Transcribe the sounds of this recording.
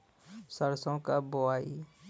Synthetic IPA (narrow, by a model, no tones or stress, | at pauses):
səɾsõkaboaːi